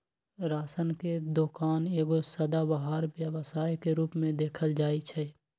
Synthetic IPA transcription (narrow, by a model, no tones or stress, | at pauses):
ɾaːsənked̪oːkaːneːɡosəd̪abaɦaːɾbjəʋəsaːjkeɾuːpmẽd̪eːkʰəld͡ʒaːit͡ʃʰɛ